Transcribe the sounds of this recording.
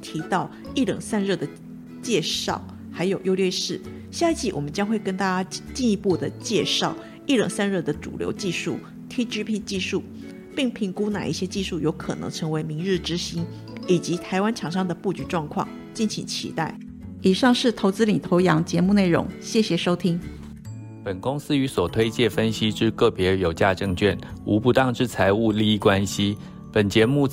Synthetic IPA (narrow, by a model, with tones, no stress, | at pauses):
t̪ʰi˧˥t̪ɑ˥˩ʊ | i˥˩lə̰˨˩ŋsa˥˧nɻɤ˥˩d̪ə˩ | t͡ɕjɛ˥˧ʂɑ̰˥˩ʊ | xa˧˥ɪjo˨˩ʊjo˥ʊljwe˥˧ʂɻ̩˥˩ | ɕja˥˧i˥˩t͡ɕi˨˥wɔ̰˨˩mə˦nt͡ɕjɑ˥ŋxwe˥˩ɪkə˥nt̪a˥˧˩t͡ɕja˥t͡ɕi˥˩ni˧˥pu˥˩d̪ə˩t͡ɕjɛ˥˧ʂɑ˥˩ʊ | i˥˩lə̰˨˩ŋsa˥˧nɻɤ˥˩d̪ə˩ʈ͡ʂṵ˨˩ljo̰˧˥ʊt͡ɕi˥˧ʂu˥˩ | t̪ʰi˥ʈ͡ʂi˥pʰi˥˧t͡ɕi˥˧ʂu˥˩ | pi˥˩ŋpʰi˧˥ŋku˥na̰˨˩ʔi˥˩ɕjɛ˥t͡ɕi˥˧ʂu˥˩jo˧˥ʊkʰɤ̰˨˩nɤ̰˧˥ŋʈ͡ʂʰɤ˧˥ŋwe˧˥ɪmi˧˥ŋɻɻ̩˥˩ʈ͡ʂɻ̩˥ɕi˧˥n | i˨˩t͡ɕi˧˥t̪ʰa˧˥ɪwa˥nt͡ɕʰjɑ˧˥ŋʂɑ˥˩ŋd̪ə˨pu˥˩t͡ɕy˧˥ʈ͡ʂwɑ˥˧ŋkʰwɑ̰˥˩ŋ | t͡ɕi˥˩nt͡ɕʰḭ˧˥ŋt͡ɕʰḭ˧˥t̪a˥˩ɪ | i˨˩ʂɑ˥˧ŋʂɻ̩˥˩t̪ʰo˧˥ʊt͡sɹ̩˥li˨˩t̪ʰo˧˥ʊjɑ˧˥ŋt͡ɕjɛ˧˥mu˥˧ne˥˩ɪɻʊ̰˧˥ŋɕjɛ˥˩ɕjɛ˨˩˦ʂo˥ʊt̪ʰi˥ŋ | pə˨˩nkʊ˦˥ŋsɹ̩˥y˧˥swɔ˨˩t̪ʰwe˥ɪt͡ɕjɛ˥˩fə˦˥nɕi˦ʈ͡ʂɻ̩˥˧kɤ˥˩pjɛ˧˥jo˨˩ʊt͡ɕja˥˧ʈ͡ʂɤ˥˧ŋt͡ɕɥɛ˥˩nu˧˥pu˧t̪ɑ˥˧ŋʈ͡ʂɻ̩˥˩t͡sʰa˧˥ɪu˥˧li˥˧i˥˩kwa˥nɕi˥ | pə˨˩nt͡ɕjɛ˧˥mu˥˨